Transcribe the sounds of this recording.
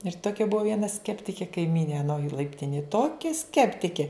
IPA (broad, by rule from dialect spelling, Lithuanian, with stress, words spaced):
ɪr ˈtoːkʲɛ ˈbʊʋoː ˈʋʲiɛnɐ ˈsʲkʲæːpʲtʲɪkʲɛ kɐɪˈmʲiːnʲeː ˈɑːnoːj lˠɐɪpʲˈtʲɪnʲeːj ˈtoːkʲɛ ˈsʲkʲæːpʲtʲɪkʲeː